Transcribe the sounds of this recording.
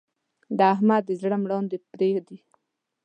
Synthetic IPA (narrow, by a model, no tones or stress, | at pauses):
d̪aaɦmad̪̚ːəzɽəmɽɑnd̪əpɾexd̪i